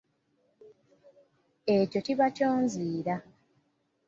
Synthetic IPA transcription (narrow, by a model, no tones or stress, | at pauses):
eco̞ciβacoːnziːɾa